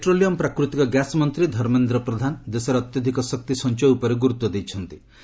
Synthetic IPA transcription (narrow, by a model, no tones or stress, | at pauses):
peʈɾoliɔmpɾakɾut̪ikɔɡjasmɔnt̪ɾid̪ʱɔɾmend̪ɾɔpɾɔd̪ʱanɔd̪esɔɾːt̪jɔd̪ʱikɔsɔk̚t̪isɔnt͡ʃɔjupɔɾeɡuɾut̪wɔd̪ejt͡ʃʰɔnt̪i